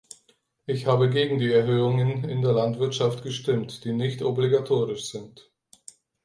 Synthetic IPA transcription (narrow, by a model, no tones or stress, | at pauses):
ʔɪçhaːbəɡeːɡŋ̩diːɛɐɦøːʊŋənɪndeːɐlantv̥ɪɐtʃaftɡ̥əʃtɪmtd̥iːnɪçtʔɔbliɡatʰoːʁɪʃz̥ɪnt